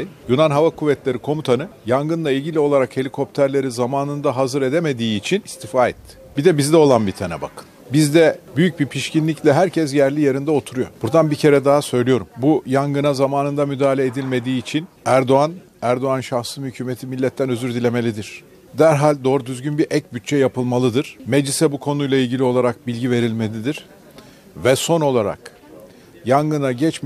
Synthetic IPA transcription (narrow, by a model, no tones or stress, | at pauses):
junanɦavakʰuvːɛt̪lʲe̞ɾikʰo̞mut̪ʰanɯjaŋɡɯnlˠailʲɟilʲio̞lˠaɾakhe̞lʲikʰo̞p̚t̪ʰæɾlʲe̞ɾizamaːnɯnd̪aɦazɯɾed̪eme̞d̪iːt͡ʃʰinist̪ʰifaːɛt̪ʰːɪ̥bid̪ɛbizd̪ɛo̞lˠanbit̪ʰanɛ̰ba̰kʰɯ̥n | bizd̪ɛbyjyc̚bipʰiʃcinlʲiclʲɛɦæɾcʰɛz̬jæɾlʲijeɾind̪ɛo̞t̪ʰuɾujo̞̰b̥uɾd̪anbicʰe̞ɾɛd̪aɦasø̞jlʲijo̞ɾumbujaŋɡɯnazamaːnɯnd̪amyd̪aːlʲeeːd̪ilʲme̞d̪iːt͡ʃʰin | æɾd̪o̞an | æɾd̪o̞anʃaxsɯmhycʰyːmet̪ʰimilʲːɛt̪ʰːænø̞zyɾd̪ilʲe̞me̞lʲid̪iɾ̥ | d̪æɾɦalʲd̪o̞ɾd̪yzɟynbiɾʔɛc̚byt̪̚t͡ʃʰɛjapʰɯlˠmalˠɯd̪ɯɾ̥me̞d͡ʒlʲisɛbukʰo̞nujlˠailʲɟilʲio̞lˠaɾak̚bilʲɟive̞ɾilʲme̞lʲid̪iɾ̥ | vɛso̞no̞lˠaɾa̰k | jaŋɡɯnaɟɛt͡ʃm